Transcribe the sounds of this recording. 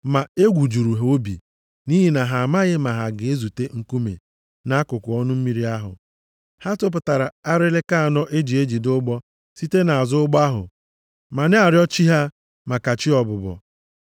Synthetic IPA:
ma˨e˦ɡʷu˨d͡ʒu˨ɾu˨ɦo˦bḭ˨ | ni˦ɦi˨na˨ɦa˨a˨ma˦ɣɪ˦ma˨ɦa˨ɡɪ˨e˦zu˨te˦ŋ̩˦ku˦mḛ˨ | na˦a˦kʊ˨kʊ˨˦ɔ˦nʊ˦m̩˦mi˦ɾi˦a˦ɦʊ̰˨ | ha˦tʊ˦p̬ʊ˨ta˨ɾa˨a˦ɾɪ˦lɪ˦ka˦a˨nɔ˦ʔe˦d͡ʒi˨e˦d͡ʒi˨dʊ˦ɡ͡bɔ˦ | si˦te˦na˨a˨zʊ˦ʊ˦ɡ͡ba˦ɦʊ̰˨ | ma˨ne˦a˨ɾjɔ˦t͡ʃi˦ɦa˦ | ma˨ka˨t͡ʃi˦ɔ˨bʊ˨bɔ̰˨

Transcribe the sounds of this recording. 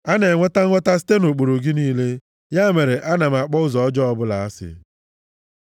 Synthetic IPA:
a˦ne˨ŋʷe˦ta˦ŋʷe˦ta˦sɪ̥˦te˦no˨k͡po˨ɾo˨ɡi˦niː˦le˦ | ja˦me˨ɾe˨ʔa˦na˨m̩˨a˨k͡pɔ˦ʊ˦zɔ˨˦d͡ʒɔ˦ɔ˦bʊ˦la˨a˦sɪ̰˨

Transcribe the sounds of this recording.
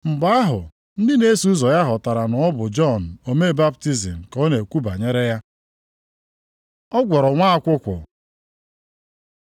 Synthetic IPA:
m̩˨ɡ͡ba˦a˦ɦʊ̰˨ | n̩˦dɪ˦ne˦su˦zɔ˨ja˦ɦɔ˨ta˨ɾa˨nɔ˨ɔ˦bʊ˨d͡ʒɔ˦˨n̩˨o˨me˦˨ba˦b̚ti˦zi˨m̩˨kɔ˦ne˨kʷu˦ba˨ɲe˦ɾe˦ja˦ | ɔ˦ɡʷɔ˨ɾɔ˨ŋʷa˦a˦kʷʊ˦kʷʊ̰˨

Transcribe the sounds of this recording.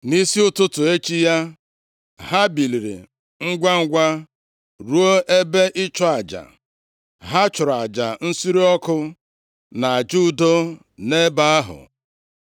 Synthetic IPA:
ni˦si˦ʊ˦tʊ˦tʊ˨e˦t͡ʃi˦ja˦ | ɦa˦bi˨li˨ɾḭ˨ | ŋ̩˦ɡʷa˦ŋ̩˦ɡʷa˦ | ɾu˦o˦e˦be˦ʔɪ˦t͡ʃɔ˦a˨d͡ʒa̰˨ | ɦa˦t͡ʃʊ˨ɾa˨d͡ʒa˨n̩˦si˦ɾi˦ɔ˦kʊ˦ | na˨a˨d͡ʒu˦do˦ | ne˦ba˦a˦ɦʊ̰˨

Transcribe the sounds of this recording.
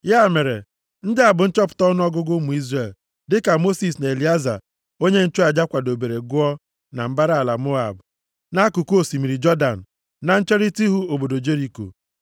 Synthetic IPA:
ja˦˨me˨ɾḛ˨ | n̩˦dɪ˦a˨bʊ˨n̩˦t͡ʃɔ˦pʊ̥˨tɔ˦n˦ɔ˦ɡʊ˦ɡʊ˦mu˨i˦zre˨l | dɪ˦ka˨mo˦si˨s̬na˨e˨li˨˦a˦za̰˨ | o˦ɲe˦n̩˦t͡ʃu˦a˨d͡ʒa˦kʷa˨do˨be˨ɾe˨ɡʊ˦ɔ˦ | na˨m̩˦ba˦ɾa˦a˨la˨mo˦a̰˨b | na˦ku˨ku˦o˨si˨mi˨ɾi˨d͡ʒɔ˦da̰˨n̩˨ | na˨n̩˦t͡ʃe˦ɾi˦ti˦ɦu˦o˨bo˨do˨d͡ʒe˦ɾi˨ko̰˨

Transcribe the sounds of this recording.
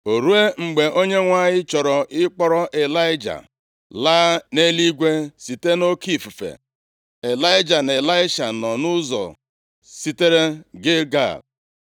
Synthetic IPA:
o˨ɾu˦e˦ŋ͡m̩˨ɡ͡be˨ʔo˦ɲe˦ŋʷa˦ɲɪ˦t͡ʃɔ˨ɾɔ˨ʔɪ˦k͡pɔ˦ɾɔ˦ʔe˨la˦ɪ˦d͡ʒa̰˨ | laː˦ne˦li˦ɡʷe˦si˨te˦no˦ki˦˨fu˨fḛ˨ | e˨la˦ɪ˦d͡ʒa˨ne˨la˦ɪ˦ʃa˨nɔ˨nʊ˦zɔ̰˨ | si˦te˦ɾe˦ɡɪ˦ɡa̰˦˨

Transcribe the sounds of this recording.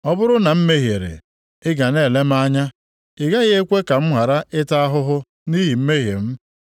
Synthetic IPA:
ɔ˦bʊ˦ɾʊ˦na˨m̩˦me˦ɦje˨ɾḛ˨ | ɪ˦ɡa˨ne˦˨le˦m̩˦a˦ɲa˦ | ɪ˨ɡa˦ɣɪ˦e˦kʷe˦ka˨m̩˦ɦʷa˨ɾa˦ʔɪ˦ta˦a˦ɦʊ˦ɦʊ˦ | ni˦ɦi˨m̩˦me˦ɦje˨m̩˦

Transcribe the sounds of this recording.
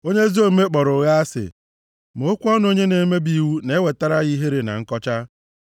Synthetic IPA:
o˦ɲe˦zo˦me˦k͡pɔ˨ɾʊ˨ɣa˦a˦sɪ̰˨ | m˨o˨˦kʷu˦ɔ˦n˦o˦ɲe˦ne˨˦me˦bi˦wu˦ne˦we˨ta˦ɾa˦ɣi˦ɦe˦ɾe˨na̰˨ŋ̩˦kɔ˦t͡ʃa˦

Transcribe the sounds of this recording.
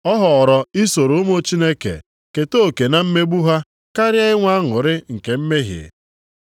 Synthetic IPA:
ɔ˦ɦɔ˨ɾɔ˨i˦so˨ɾo˨˦mo˦t͡ʃi˦ne˦kḛ˨ | ke˨to˦˨ke˨na˦m̩˦me˦ɡ͡bu˦ɦa˦ | ka˦ɾja˦ɪ˦ŋʷa˦ŋʊ˨ɾɪ˦ŋ̩˨ke˨m̩˦me˦ɦjḭ˨

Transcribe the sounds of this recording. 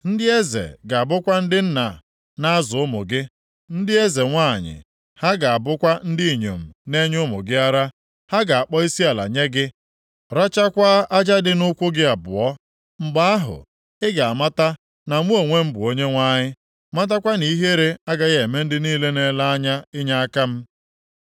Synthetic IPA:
n̩˦dɪ˦e˦zḛ˨ɡa˨a˨bʊ˦kʷa˦n̩˦dɪ˦n̩˦na̰˨ | na˦a˦zʊ˨ʊ˦mʊ̰˨ɡɪ˦ | n̩˦dɪ˦e˦ze˨ŋʷa˦˨ɲɪ̰˨ | ha˦ɡa˨a˨bʊ˦kʷa˦n̩˦dɪ˦i˨ɲo̰˨m̩˨ne˦ɲʊ˦mʊ̰˨ɡɪ˦a˦ɾa˦ | ha˦ɡa˨a˨k͡pɔ˦i˦si˦a˨la̰˨ɲe˦ɡɪ˦ | ɾa˦t͡ʃa˦kʷa˦a˦d͡ʒa˦dɪ˦nʊ˦kʷʊ˦ɡɪ˦a˨bʊ̰˨ɔ˦ | ŋ͡m̩˦ɡ͡ba˦a˦ɦʊ̰˨ | ɪ˦ɡa˨a˨ma˦ta˦ | na˨ŋʷu˦o˨ŋʷe˦m̩˦bʊ˨o˦ɲe˦ŋʷa˦ɲɪ˦ | ma˦t̬a˦kʷa˦ni˦ɦe˦ɾe˦a˦ɡa˦ɣe˨me˦n̩˦dɪ˦niː˦le˦ne˦la˦a˦ɲa˦ɪ˦ɲa˦a˦ka˦m̩˦

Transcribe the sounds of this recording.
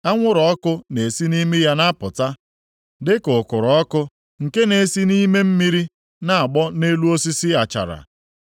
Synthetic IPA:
a˦ŋʷʊ˦ɾɔ˨ɔ˦kʊ˦ne˨si˦ni˦me˦ja˦na˦pʊ˨ta˦ | dɪ˦kʊ˨kʊ˨ɾɔ˦kʊ˦ | ŋ̩˨ke˦ne˨si˦ni˦me˦m̩˦mi˦ɾi˦ | na˦a˨ɡ͡bɔ˦ne˦lu˦o˦si˦si˦a˨t͡ʃa̰˨ɾa̰˨

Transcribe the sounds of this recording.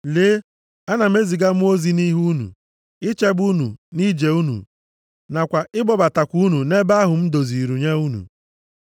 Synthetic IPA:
le˨˦ | a˦na˨m̩˦e˦zi˨ɡa˦mʊ˦o˦zi˦ni˦ɦu˦nṵ˨ | ɪ˦t͡ʃe˦bu˦nṵ˨ni˦d͡ʒe˨u˦nṵ˨ | na˨kʷa˨ʔɪ˦ɡ͡bɔ˦ba˨ta˨kʷu˦nu˨ne˦ba˦ɦʊ˨m̩˦do˨zi˨ɾu˨ɲa˦u˦nṵ˨

